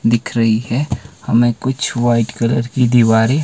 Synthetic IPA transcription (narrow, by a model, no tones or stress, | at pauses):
d̪ɪkʰɾɐɦiɦɛhɐmẽkʊt͡ʃʰʋaːɪʈkɐləɾkid̪iʋaːɾe